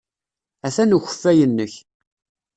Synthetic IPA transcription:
æθænuçə̥fːæjənːəç

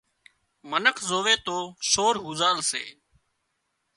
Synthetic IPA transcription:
mənəkʰzoːʋeːt̪oːʃoːɾɦuːzaːlsḛː

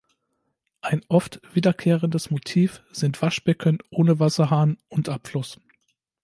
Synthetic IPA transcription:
ʔaɪnʔɔftv̥iːdɐkʰeːʁəndəsmotʰiːfz̥ɪntv̥aʃb̥ɛkʰənʔoːnəvasɐɦaːnʊntʔapflʊs

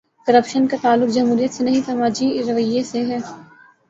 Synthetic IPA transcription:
kɐɾəpʃənkat̪aːlːʊkd͡ʒɐmɦuːɾijət̪senɐɦĩsɐmaːd͡ʒiɾɐʋəjeseɦɛː

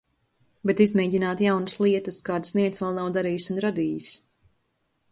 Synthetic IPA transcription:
bet̪izmɛːɟʲinaːt̪jawnuslˠiɛt̪ɨskaːd̪sniɛt̪svɛlˠnawd̪aɾiːjsunɾad̪iːjus

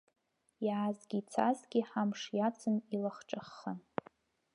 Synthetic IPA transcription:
jʕazɡʲiːt͡sʰa̰zɡʲɪħamʂjat͡sʰɨnilaχʈ͡ʂʼaχːan

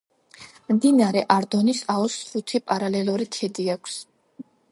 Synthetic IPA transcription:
md̪inaɾɛʔaɾd̪ɔnisaɔsɾut̪ʰipʼaɾalɛluɾit̪ʰɛd̪iakʷʰs

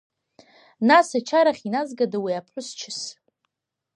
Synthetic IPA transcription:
nasat͡ʃʰaɾaχʲinazɡadawiapʰħʷʊst͡ʃʰɪs

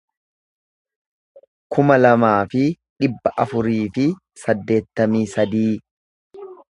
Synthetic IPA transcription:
kʊmɐlɐmaːfɪ | ᶑɪbːɐʔɐfʊɾiːfɪ | sɐd̪ːe̞ːt̪ːɐmiːsɐd̪iː

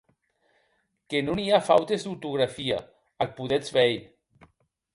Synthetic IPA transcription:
kenoniafawt̪ezd̪uwt̪uɣ̞ɾafia̰ | alpuðɛzβɛj

